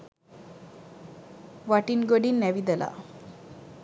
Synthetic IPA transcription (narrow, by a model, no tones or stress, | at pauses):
ʋaʈinɡəɽiːnːaʋid̪əla̰